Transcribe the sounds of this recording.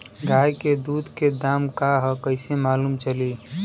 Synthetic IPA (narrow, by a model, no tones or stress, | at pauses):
ɡʱaːjked̪uːd̪ʱked̪aːmkaɦəkəɪsemaːluːmt͡ʃəli